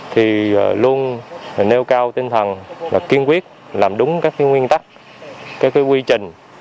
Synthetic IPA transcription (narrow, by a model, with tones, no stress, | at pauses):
t̪ʰi˨˩˨lu˧ən˨˩ne˧wkaː˧wt̪i˧ŋt̪ʰə˨˩nvaː˨˩ki˧ənkwi˦˥ət̚ | laː˨˩mɗʊ˨˦ŋ͡mkaː˦˥k̚kaː˨˦jŋwi˧ənt̪a˦˥k̚ | kaː˨˦˥kaː˨˦jkwi˧t͡ɕï˨˩ŋ̟